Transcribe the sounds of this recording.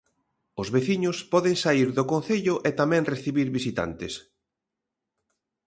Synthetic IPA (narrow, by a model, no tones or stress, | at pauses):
ʊzβeθiɲʊspɔðeŋsaiɾðokon̟θeʎʊʔet̪amɛ̃ŋreθiβiɾβisit̪a̰nt̪ɪs